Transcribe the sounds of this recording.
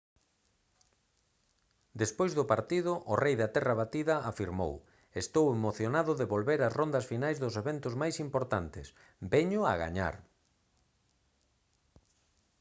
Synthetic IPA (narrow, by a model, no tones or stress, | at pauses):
d̪espojzðʊpaɾt̪iðʊʔʊrejðat̪ɛraβat̪iðɐʔafiɾmo̰w | est̪owemoθjonaðʊðeβolβeɾazrond̪ɐsfinajzðʊseβent̪ʊzmajsimpoɾt̪ant̪ɪs | bɛɲʊa̰ɣa̰ɲa̰ɾ